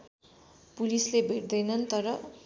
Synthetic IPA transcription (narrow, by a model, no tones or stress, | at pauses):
pulislebʱeʈd̪ʌjnʌnt̪ʌɾʌ